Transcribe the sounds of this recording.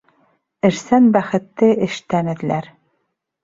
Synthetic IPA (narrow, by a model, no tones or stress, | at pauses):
ɘ̆ɾsænbæχɘ̆t̪ːɘɘ̆ʃt̪ænɘ̆d̪̆læɾ